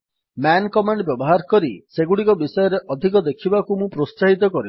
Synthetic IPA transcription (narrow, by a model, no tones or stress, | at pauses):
mankɔmaɳɖbjɔbɔɦaɾkɔɾiseɡuɽikɔbisɔjɔɾeʔɔd̪ʱik̬ɔd̪ekʰibakumũpɾossaɦit̪̬ɔkɔɾi